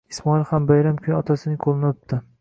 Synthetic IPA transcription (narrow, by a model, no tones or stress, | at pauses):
ismɒɪlˠhambajɾamkʲʰʊjɒt̪ʰasɪnɪqʰolˠɪnɪop̚t̪ɪ